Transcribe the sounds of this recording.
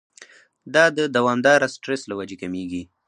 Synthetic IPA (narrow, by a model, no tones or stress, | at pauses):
d̪ɑd̪əd̪awɑmd̪ɑɾasʈɾeslawad͡ʒekameɡi